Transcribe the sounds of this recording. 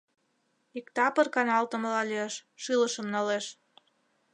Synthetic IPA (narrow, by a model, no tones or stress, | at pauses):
ikt̪ɑpərkɑnɑlt̪ə̆məlɑlieʃʃiləʃəmnɑleʃ